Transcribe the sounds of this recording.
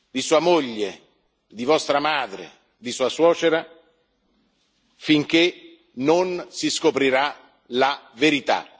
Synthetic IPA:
d̪isuːamoʎːe | d̪ivɔst̪ɾamaːd̪ɾḛ | d̪isuːaswɔːt͡ʃeɾa | fiŋk̟e | nonsiskopɾiɾa | laveɾit̪a̰

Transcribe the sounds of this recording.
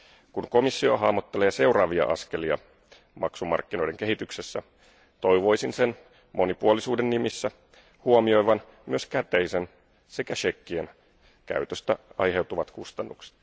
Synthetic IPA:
kunko̞misːio̞ɦɑːmot̪ːe̞leːse̞wɾɑːʋiɑ̰ʔɑ̰ske̞liɑ̰ | mɑksumɑ̰rkːino̞jde̞ŋkeɦit̪yksesːæ | t̪o̞jʋo̞jsinse̞n | mʔo̞nipuolisuːdenːimisːæ | huomio̞jʋɑn | myøskæt̪ejsen | se̞kæʃe̞kːien | kæ̰yt̪øst̪æ̰ɑjɦe̞wt̪uʋɑt̪kust̪ɑnːukse̥t̪

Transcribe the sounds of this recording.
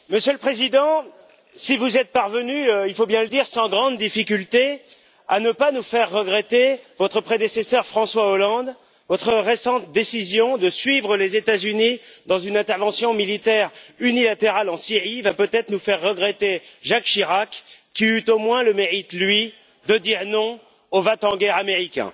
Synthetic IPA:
məsjələpχezid̪ɑ̃ | sivuzɛt̪̚paʁvənyøilfobjɛ̃ləd̪iʁsɑ̃ɡʁɑ̃d̪ːifikʲylt̪e | anəpanufɛʁːəɡʁɛt̪evɔt̪χəpχed̪esesœʁfχɑ̃swaolɑ̃d̪ | vɔt̪χəʁesɑ̃t̪̚d̪esizjɔ̃d̪əsɥivʁəlezet̪azynid̪ɑ̃zynɛ̃t̪ɛʁvɑ̃sjɔ̃milit̪ɛʁynilat̪eʁalɑ̃siʁivapøt̪ɛt̪χənufɛʁːəɡʁɛt̪eʒakʃiʁakkʲːiyt̪omwɛ̃ləmeʁit̪lɥi | d̪əd̪iʁnɔ̃ | ovat̪ɑ̃ɡɛʁameʁikʲɛ̰̃

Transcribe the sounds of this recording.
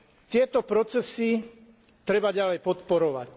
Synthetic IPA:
t̪ɪɛt̪ɔpɾɔt͡sɛsi | t̪ɾɛbaɟalɛjpɔt̪pɔɾɔʋac

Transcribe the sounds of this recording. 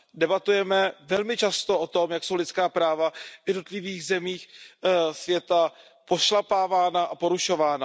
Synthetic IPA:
dɛbat̪ujɛmɛvɛlmɪt͡ʃast̪o̞ʔo̞t̪o̞mjakso̞wlɪt̪skaːpɾaːvavjɛdnot̪lɪviːɣzɛmiːx | svjɛt̪a | po̞ʃlapaːvaːnaʔapo̞ɾuʃo̞vaːna

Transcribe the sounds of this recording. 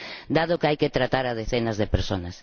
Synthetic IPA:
d̪aðokajkɪt̪ɾat̪aɾað̞eθenɐzðepeɾsonɐs

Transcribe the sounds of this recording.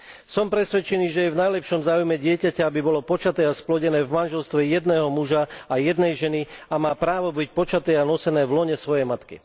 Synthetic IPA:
sɔmpɾɛsʋɛt͡ʃɛniːʒɛjɛvnajlɛpʃɔmzaːujmɛɟɪɛcacaabibɔlɔpɔt͡ʃat̪ɛːasplɔɟɛnɛːvmanʒɛlst̪ʋɛjɛd̪nɛːɦɔmuʒaajɛd̪nɛjʒɛniamaːpɾaːʋɔbic̚pɔt͡ʃat̪ɛːanɔsɛnɛːvlɔɲɛsʋɔjɛjmat̪kḭ

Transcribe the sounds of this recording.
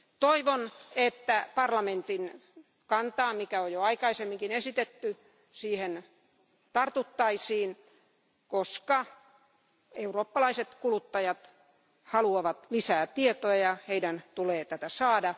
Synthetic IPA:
t̪oiʋonet̪ːæpɑrlɑment̪in | kɑnt̪ɑːmikæojjoɑikɑisemːiŋkinesit̪et̪ːy | siːhen | t̪ɑrt̪ut̪ːɑisiːn | koskɑ | euroːpːɑlɑiset̪kulut̪ːɑjɑt̪ | hɑluɑʋɑt̪lisæːt̪iet̪oɑjɑheidænt̪uleːt̪æt̪æsɑːdɑ

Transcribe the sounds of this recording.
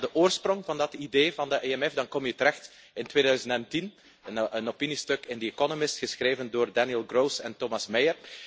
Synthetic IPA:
dəʔoːrsprɔŋvɑndɑtideːvɑndəʔeɛmɛfdɑnkɔmjətəɾɛxt | ɪntʋeːdœɥzəntɛntin | ənopinistøkɪndiekɔnomɪstxəsxreːvəndoːrdanjɛlˠɡroːsɛntomɑsmɛjər

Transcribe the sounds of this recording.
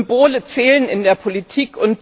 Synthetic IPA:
mboːlət͡sɛːlənɪndeːɐpʰolitʰiːkʰʊnt̚

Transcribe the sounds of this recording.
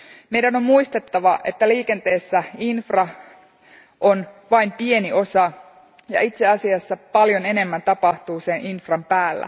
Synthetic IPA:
me̞ijdæno̞mmuist̪et̪ːɑʋɑʔe̞̰t̪ːæliːke̞nt̪eːsːæinfrɑ | ʔonʋɑimpie̞niʔo̞sɑ | jɑ̰it̪seɑsiɑsːɑpɑljo̞ne̞ne̞mːænt̪ɑpɑht̪uːsenʔinfrɑmpæːlːæ̰

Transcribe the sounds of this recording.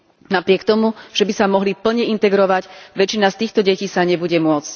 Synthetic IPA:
napɾɪɛkt̪ɔmuʒ̥ɛbisamɔɦlipl̩ɲɛint̪ɛɡɾɔʋaɟʋɛt͡ʃinast̪iːxt̪ɔɟɛciːsaɲɛbuɟɛmʊɔt͡sc

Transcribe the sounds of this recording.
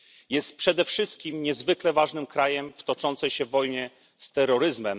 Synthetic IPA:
jɛst̪̚pʂɛd̪ɛfʂɘst̪̚kʲimɲɛzvɘklɛvaʐnɘmkɾajɛmft̪ɔt͡ʂɔnt̪sɛjɕɛvːɔjmɛ | st̪ɛɾːɔɾɘzmɛm

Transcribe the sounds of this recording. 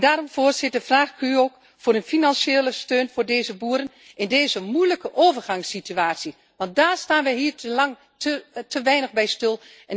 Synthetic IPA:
daːɾɔmvʊːrsɪt̚dəvraːxɪkyoːk | fʊːɾənfinɑnseːləstøːnvʊːɹdeːzəbuːəɾən | ɪndeːzəmujləkəʔoːvərχɑŋsːityaːtsi | ʋɑnt̚daːɹstaːnʋɛjɦiːəlɑŋ | təʋɛjnəχbɛjstɪlˠ | ɛ

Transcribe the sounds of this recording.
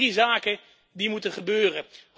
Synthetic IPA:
izaːkən | dimutəχəbøːrə

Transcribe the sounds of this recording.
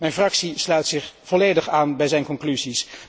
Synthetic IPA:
mɛjnfrɑksislœɥtsɪχv̥ɔlejdəχaːnbɛjzɛjnkɔŋklyzis

